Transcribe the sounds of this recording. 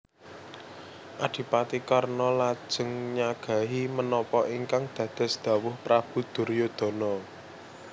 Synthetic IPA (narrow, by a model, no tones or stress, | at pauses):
ʔad̪̥i̤pat̪ikarnɔlḁʒ̥ə̤ŋɲaɡ̥a̤ɦimənɔpɔʔiŋkaŋd̪̥ä̤d̪̥a̤sd̪̥ä̤wʊhpɾab̥ṳd̪̥ʊ̤rjod̪̥o̤nɔ